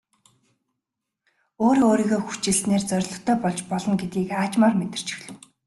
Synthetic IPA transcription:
oːɾiːoːɾiːɣoːxu̥t͡ɕɪ̆ɮɬneːrt͡sœɾʲɮɞ̆t̪ʰːœːpɔɮt͡ɕpɔɮɞ̆nɡet̪iːkaːt͡ɕmarmet̪ɪ̆r̥t͡ɕɪ̥̆xɮɵ̆w

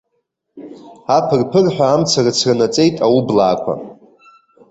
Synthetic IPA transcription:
apʰɨrpʰɨrħʷᶣaːmt͡sʰarɨt͡sʰranat͡sʼe̞jtʼawublaːkʷʰa̰

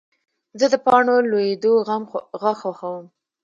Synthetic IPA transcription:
zəd̪əpɑɳolojed̪oamɣaxaxawəm

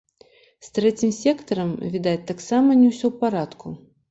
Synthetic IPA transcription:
st̪ɾɛt͡sʲimsʲɛkt̪ɐɾɐmvʲid̪at͡sʲt̪aksamɐnʲɛwsʲɔwpaɾat̪kʰu

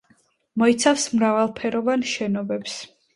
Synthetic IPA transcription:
mɔit̪sʰafsmɾavalˠpʰɛɾɔvanʃɛnɔbɛps

